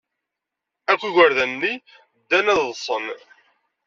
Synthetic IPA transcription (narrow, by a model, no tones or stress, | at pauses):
ækʷːiʝʷəɾðænːi | d̪ːænæðsˤən